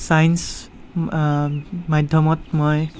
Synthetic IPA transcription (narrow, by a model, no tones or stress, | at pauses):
sajns | mad̪ʱjɔmɔt̪̚mɔj